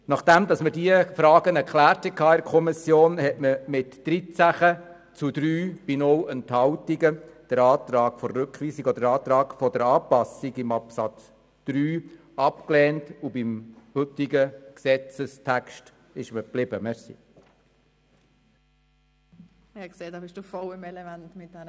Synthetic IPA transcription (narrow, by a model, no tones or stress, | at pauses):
nɑχd̥æmd̪ɑsmədiəfɾɑːɡənɛɾkʰlæːrthɛt̚kʰɑːɪɾkʰɔmisjoːnhɛtməmɪtːɾit͡sæχə | t͡sud̪ɾyːb̥inɔwənt̪hɑwtiɡəd̥əɾɑːt̪ɾɑːɡfɔːʉkχʋiːsiɡɔd̪əɾɑːt̪ɾɑːɡ̥fɔd̥̪əɾɑːpɑsiɡɪmɑpsɑt͡s | d̪̥ɾyː | ɑpklɛːntubɪmhʏt̪iɡəksɛt͡səstʰækʃt | ɪʃməplɪbəmɛɾsḭ | kseːdɑːbɪʃd̥uːfɔlɪmɛlɛmæntmɪt̚d̥ɛ